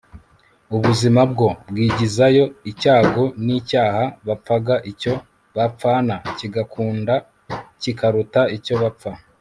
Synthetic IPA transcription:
uβuzimabɡo̞bɡiːɟizajo̞icaːɡo̞niːcaːhaβap͡faɡaʔico̞ | βap͡faːnaciɡakʰuːnda | cikaɾutaico̞βap͡fa

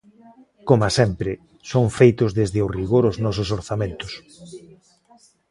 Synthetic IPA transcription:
komasɛmpɾɪ | soŋfejt̪ʊzðezðɪoriɣoɾʊznɔsʊsoɾθamẽnt̪ʊs

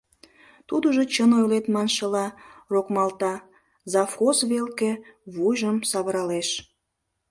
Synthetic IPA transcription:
t̪ud̪əʒot͡ɕənojlet̪mɑnʃəlɑrokmɑlt̪ɑ | zɑfxosβelkeβujʒəmsɑβəɾɑleʃ

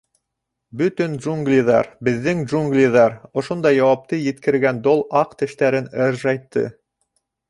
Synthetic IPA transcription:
bɵt̪ɵnʒuŋɡlʲiðɑ̰ɾbɘ̆ðːɘŋʒuŋɡlʲiðɑɾŏʃond̪ɑjːɑwɑp̚t̪ɤjɘ̆t̪kɘ̆ɾɡænd̪olˠɑqt̪ɘ̆ʃt̪æɾɘnɘɾʒɑjt̪ːɤ̰

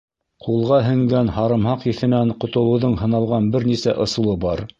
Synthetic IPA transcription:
qulˠʁɑɦɘ̆ŋɡænhɑɾɤ̆mhɑqiθɘ̆næɴqŏt̪ɤ̆lˠɤ̆wðɤɴhɤ̆nɑlˠʁɑnbɘɾnisæʔŏsɤ̆lˠɤbɑɾ

